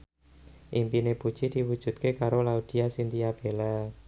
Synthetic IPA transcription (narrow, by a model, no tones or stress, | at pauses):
ʔimpinepu̥t͡ʃid̪̥iwu̥ʒ̥ṳt̪̚kekaɾolaud̪̥i̤asint̪ijab̥ela